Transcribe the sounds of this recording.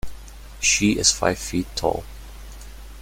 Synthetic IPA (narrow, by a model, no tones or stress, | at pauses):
ʃiɪsfa̰ɪv̥fitʰːɔ̰lˠ